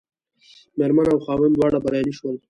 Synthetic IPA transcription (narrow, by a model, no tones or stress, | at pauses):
meɾmanawxɑwɪnd̪wɑɽabaɾjɑniʃwəl